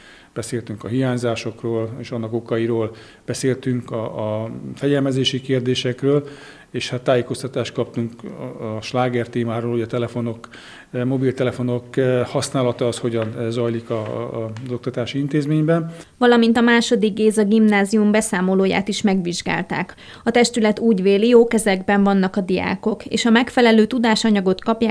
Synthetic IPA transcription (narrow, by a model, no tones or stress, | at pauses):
b̥ɛseːlt̪yŋkɒɦiɦaːɲzaːʃo̞kroːleːʃɒnːɒko̞kɒiɾoːl | b̥ɛseːlt̪yŋkɒ | fɛɟɛlmɛzeːʃikeːrd̪eːʃɛkrøːl | eːʃhat̪ːaːjeːko̞st̪ɒt̪aːʃt̪̚kɒp̚t̪uŋkːʃlaːɡɛrt̪eːmaːɾoːlhoɛt̪ɛlɛfo̞no̞k | mo̞bilt̪ɛlɛfo̞nokhɒsnaːlɒt̪ɒːshoɟɒnzɒjlikɒzo̞k̚t̪ɒt̪aːʃiint̪eːzmeːɲbɛnvɒlɒmint̪ɒmaːʃo̞d̪iɡɡeːzɒɡimnaːzijumbɛsaːmo̞loːja̰ːt̪iʃmɛɡʋiʒɡa̰ːlt̪a̰ːk | ɒt̪ɛʃt̪ylɛt̪uːɟʋeːlijoːkɛzɛɡbɛɱvɒnːɒkɒd̪ija̰ːko̞kḛːʃɒmɛkfɛlɛløːt̪ud̪aːʃɒɲɒɡo̞t̪kɒpjaː